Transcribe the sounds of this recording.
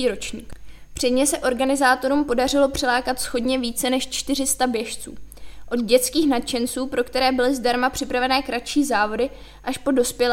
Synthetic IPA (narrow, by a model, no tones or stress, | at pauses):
iːɾo̞t͡ʃɲiːkpr̥ɛdɲɛsɛʔo̞ɾɡanɪzaːt̪o̞ɾuːmpo̞dar̝ɪlo̞pr̥ɛlaːkat̪sxo̞dɲɛviːt͡sɛnɛʃt͡ʃt̪ɪr̝ɪst̪abjɛʃt͡sṵːʔo̞d̪ɟɛt͡skiːxnat͡ʃɛnt͡suːpɾo̞kt̪ɛɾɛːbɪlɪzdaɾmapr̥ɪpɾavɛnɛːkɾatt͡ʃiːzaːvo̞dɪ | ʔaʃpo̞do̞spjɛlː